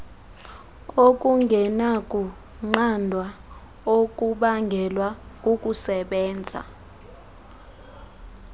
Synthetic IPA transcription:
ok̬ʼuŋɡʱɛnakʼu | ŋ͡ǃandʱwa | ok̬ʼuɓaŋɡʱɛlwakʼukʼusɛɓɛːnd͡zʱa̰

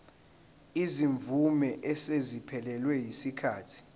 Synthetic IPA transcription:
iziɱvumɛʔɛsezipʰɛlɛlwɛjisikʰaːtʰi̥

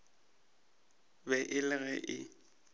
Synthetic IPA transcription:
bɛʔɪlɪɣɛʔɪ

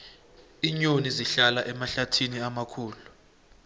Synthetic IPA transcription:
iɲoniziɬalaʔɛmaɬatʰiniamakʰuːlu

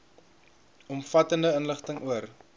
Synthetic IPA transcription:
ɔmfɐtəndəənləχtəŋuər

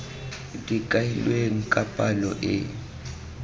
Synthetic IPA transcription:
tʼikʼailweŋ̩kʼapʼalɔ̰ʔɪ̰

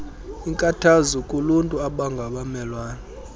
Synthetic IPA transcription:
iŋkʼatʰazukʼuluntʼuaɓaŋɡʱaɓamɛlwaːna

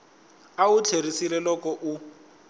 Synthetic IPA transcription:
aut͡ɬʰerisilɛlɔkɔʔu

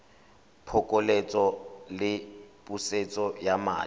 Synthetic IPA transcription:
pʰɔkʼɔlet͡sʼɔlɪpʼuset͡sʼɔjama̰ː

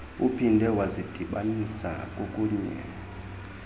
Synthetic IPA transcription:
upʰindʱɛwazid̥ʱiɓanisa̰kʼokʼuːɲɛ̰

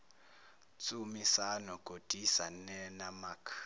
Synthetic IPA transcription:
t͡sʼumisanɔɡ̥ʱod̥ʱisanɛnamaːkʰ

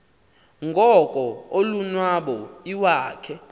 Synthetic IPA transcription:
ŋɡʱɔkʼɔolunwaɓɔiwaːkʰɛ

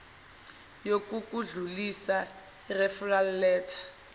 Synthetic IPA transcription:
jokukuɮulisa | irɛfurallɛːtʰḁ

